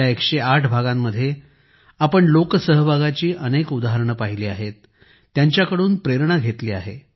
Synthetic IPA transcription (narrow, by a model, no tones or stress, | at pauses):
aekʂeaʈʰbʱaɡamːəd̪ʱːje | apəɳloksəɦəbʱaɡat͡ɕiːʔənekud̪aɦəɾɳ̃əpaɦiliːaɦet̪ː | jaɲt͡ɕjakəɽuːnpɾeɾɳ̃aɡʱet̪liːa̰ɦe